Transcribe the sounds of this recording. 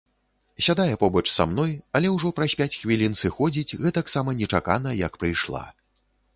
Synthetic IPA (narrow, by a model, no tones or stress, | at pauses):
sʲad̪ajɛpɔbɐt͡ʂsa̰mn̪ɔjɐlʲɛwʐɔpɾɐsʲpʲat͡sʲxvʲilʲinsɨxɔd͡zʲit͡sʲɣɛt̪aksamɐnʲɛt͡ʂaka̰nɐjɐkpɾɨjʂlˠa̰